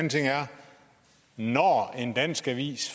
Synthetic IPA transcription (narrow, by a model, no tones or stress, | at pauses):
nt͡sʰe̝ŋ̰æɐ | nɒe̝nd̥æn̰sɡ̥æʋḭːsf